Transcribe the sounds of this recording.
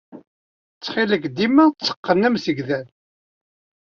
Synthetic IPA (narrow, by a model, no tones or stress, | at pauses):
t͡sːχɪləkd̪imæt͡sːə̥qːənːəmsəɡðæn